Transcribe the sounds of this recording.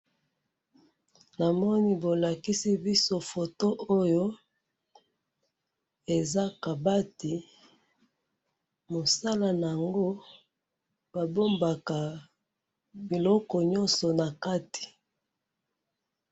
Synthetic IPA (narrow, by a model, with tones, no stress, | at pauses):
na˨mɔ˦ni˦bo˨la˨ki˦si˦bi˦so˦fo˨to˦ʔo˦jo˦ | e˨za˦ka˨ba˦ti˨ | mo˨sa˦la˨na˨a˨ŋɡo˦ | b̥a˨bo˦mba˨ka˨ | bi˨lɔ˦kɔ˨ɲɔ˦nsɔ˨na˨ka˦ti̥˨